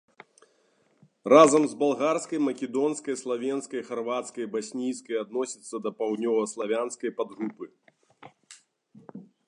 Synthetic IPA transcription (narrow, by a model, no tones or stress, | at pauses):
razɐmzbalˠɣarskɐjmɐkʲɛd̪ɔnskɐjslˠavʲɛnskɐjxarvat̪skɐjbasʲnʲijskɐjad̪nɔsʲit̪sːɐd̪ɐpawd̪nʲɔvɐslˠavʲanskɐjpad̪ɣupɨ